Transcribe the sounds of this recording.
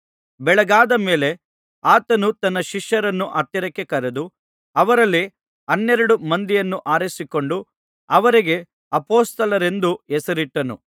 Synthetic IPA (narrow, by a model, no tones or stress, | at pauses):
bɛɭɐɡaːd̪ɐme̞ːle̞ | aːt̪ɐnut̪ɐnːɐʃiʃjɐɾɐnːuʔɐɾt̪jɐɾɐkːekɐɾed̪u | ɐʋɐɾɐlːi | ɐnːɛɾɐɽumɐnd̪ijɐnːuʔaːɾisiko̞ɳɖu | ɐʋɐɾiɡe̞ | ɐpoːst̪ɐlɐɾe̞nd̪uɛsɐɾiʈːɐnṵ